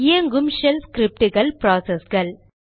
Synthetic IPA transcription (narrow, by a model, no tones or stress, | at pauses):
ɪjɐŋɡɯmʃɛlskɾɪp̚ʈɯɣɐɭpɾaːsesɡɐɭ